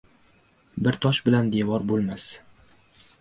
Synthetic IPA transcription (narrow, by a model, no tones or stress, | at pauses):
bɪɾt̪ʰɒʃbɪland̪evɒɾbolˠmas